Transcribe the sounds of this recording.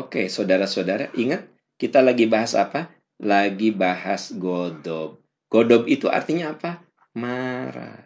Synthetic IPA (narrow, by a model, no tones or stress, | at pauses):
okesodaɾasodaɾaʔiŋat̪̚ | kit̪alaɡibaɦasa̰pa | laɡibahasɡodɔb̚ | ɡ̥odɔbit̪uʔa̰rt̪iɲaːpa | maɾa̰